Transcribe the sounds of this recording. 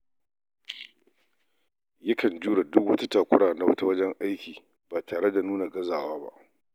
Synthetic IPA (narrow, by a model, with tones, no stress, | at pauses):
jɐ˦kʰɐ˨nd͡ʒuː˦ɽa˨dʊ˦kwɐ˦ta˦taː˨kʷʊ˦ɽaː˨na˦wɐ̰˦ta˦wɐ˦d͡ʒɛ˦ŋʔa˦jkʲiː˨ | baː˨tʰaː˨ɽe˦da˨nuː˦na˨ɡɐ˦zaː˨waː˦ba̰˦ʔ